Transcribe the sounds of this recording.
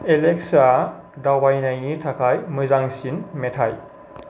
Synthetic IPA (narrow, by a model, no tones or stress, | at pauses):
elek̚sa | dawbajnajnitʰakʰajmɯzaŋsinmetʰaj